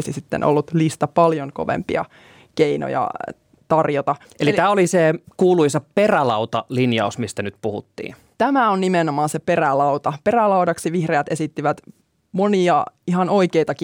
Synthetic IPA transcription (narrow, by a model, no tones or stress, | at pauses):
sisit̪ːḛnʔo̰lːut̪list̪ɑpɑljoŋko̞̰ʋḛmpḭɑ̰ | keino̰jɑ̰ | t̪ɑrjot̪ɑ | elit̪æːolisekuːluisɑperælɑut̪ɑlinjɑusmist̪ænyt̪puhṵt̪ːḭː | t̪æmæonnimenomɑːnseperælɑut̪ɑperælɑudɑksiʋihreæt̪esit̪ːiʋæt̪ | moniɑiɦɑno̞ikeit̪ɑki